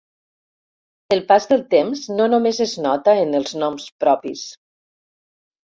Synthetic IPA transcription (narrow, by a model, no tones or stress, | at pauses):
əlˠpazðəlˠt̪emznonomezeznɔt̪əənəlˠznɔmspɾɔpis